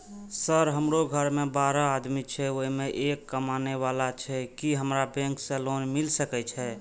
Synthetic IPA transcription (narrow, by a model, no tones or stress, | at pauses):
səɾɦəmɾoɡʱəɾmebaɾaad̪mit͡ʃʰɛoimeʔekːəmaneʋalat͡ʃʰɛkiɦəmɾabɛ̃ŋkselonmilsəkɛt͡ʃʰɛ